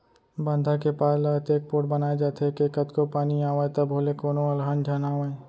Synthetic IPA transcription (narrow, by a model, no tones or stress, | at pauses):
bə̃nd̪ʱakepaːlat̪eːk̚poːʈ̚bɐnaːed͡ʒaːt̪ekekɐt̪kopaːniaːʋaːet̪ɐbʱoːlekoːnoɐlɦand͡ʒʱaːnaːʋae